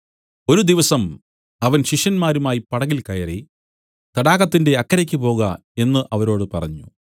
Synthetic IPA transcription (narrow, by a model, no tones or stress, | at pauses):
o̞ɾud̪iʋɐsɐm | ɐʋɐnɕiʂjɐnmaːɾumaːjipɐɽɐɣilkɐjɐri | t̪ɐɽaːɣɐt̪ːinde̞ɐkːɐɾɐkʲːɨpo̞ːɣɐ | e̞nːɨʔɐʋɐɾo̞ːɽɨpɐrɐ̰ɲːu